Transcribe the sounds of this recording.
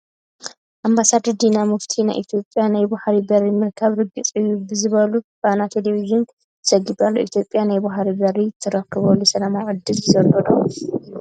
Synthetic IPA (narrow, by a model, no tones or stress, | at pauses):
ʔambasad̪ɐɾd̪inamɨft̪ʰina̰jʔit̪ʰjo̞pʼjanajbaħɾibɐɾimɨɾkʰɐβɾɨɡɨt͡sʼɨjːubɨzɨβɐlufanat̪ʰeleβiʒɨnʰ | ɨ̥sɐɡid̪alːoʔḭt̪ʰjo̞pʼːjanajbaħɾibɐɾit̪ʰːɐɾɐkʰːɨβɐlːusɐlamaʕɨd̪ːɨlzɐɾɡɐd̪u